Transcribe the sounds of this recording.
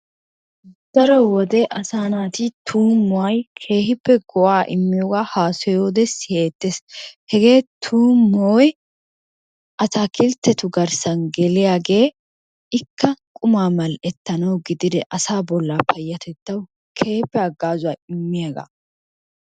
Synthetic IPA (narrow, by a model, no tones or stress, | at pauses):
d̪̥ɐɾɔwɔd̪ɛʔɐsaːnaːt̪it̪ʰuːmːʊwɐjkʰe̞ːhɪpːɛɡɔʔaːʔɪmːɪjɔɡaːhaːsɔjo̞ːd̪ɛsɪheːt̪ːeshɛɡe̞ːt̪ʰuːmːoːj | ʔɐt̪aːkʰɪlt̪ːɛt̪ʊɡɐɾsɐnɡɛlɪjaːɡe̞ː | ɪkːɐkʼʊmaːmɐlɛt̪ːɐnɐwɡɪd̪ɪd̪ɛʔɐsaːbɔlːaːpʰɐjːɐt̪ɛt̪ːɐw | kʰe̞ːpːɛɐɡːaːzʊwaːjɪmːɪjaɡa̰